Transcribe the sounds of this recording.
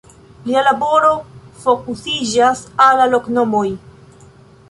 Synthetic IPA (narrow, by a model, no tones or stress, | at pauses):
lialabo̞ɾo̞fo̞kusid͡ʒasalːalo̞kno̞mo̞j